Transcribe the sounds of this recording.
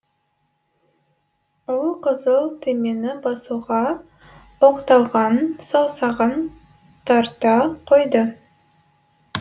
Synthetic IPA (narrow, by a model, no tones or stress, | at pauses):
ʊlˠqəzəlˠt̪ʰeme̞nɪbɑsuʁɑ | oqt̪ɑlˠʁɑnsɑwˠsɑʁən | t̪ʰɑɾt̪ɑqʰojd̪ə